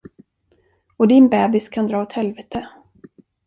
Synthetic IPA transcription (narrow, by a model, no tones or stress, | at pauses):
ɔd̪ɪnbɛːbɪskʰand̪ɾɑːɔt̪hɛlvɛːt̪ʰə